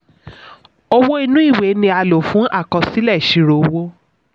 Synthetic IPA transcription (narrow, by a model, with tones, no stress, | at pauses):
o˧wo˦i˧nũ˦i˦˨we˨˦nĩ˧a˧lo˨fũ˨˦ʔa˦˨kɔ̃˧si˦lɛ˦˨ʃi˧˨ɾo˨˦wo˦